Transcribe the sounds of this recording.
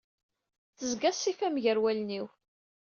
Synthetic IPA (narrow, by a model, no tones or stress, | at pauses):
θəzɡæsːifæmʝəɾwælniw